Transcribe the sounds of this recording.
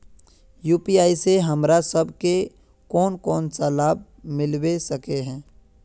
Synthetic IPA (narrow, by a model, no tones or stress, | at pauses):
juːpiaːiseɦɐmɾasəbʱke | kɔːnkɔːnsalaːb̚ | mɪlwesɐkeɦɛ̃ː